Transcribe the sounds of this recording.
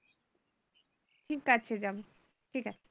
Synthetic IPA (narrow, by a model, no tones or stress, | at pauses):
ʈʰikːat͡ɕʰed͡ʑabo | ʈʰikat͡ɕʰe̥